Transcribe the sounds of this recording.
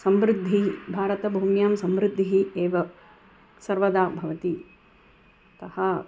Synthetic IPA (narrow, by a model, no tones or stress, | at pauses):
sɐmɾɪd̪ʱːibʱaːɾɐt̪ɐbʱuːmjaːmsɐmʋɾɪd̪ʱːiɦieːʋɐ | sɐɾʋɐd̪aːbʱɐʋɐt̪i | t̪ɐhɐ